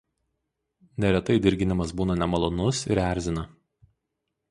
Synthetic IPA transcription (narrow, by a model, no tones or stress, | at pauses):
nʲɛɾʲɛt̪ɐɪd̪ʲɪɾʲɡʲɪnʲɪmɐsbuːnɐnʲɛmɐlˠɔnʊsɪ̰ɾæˑɾʲzʲɪnɐ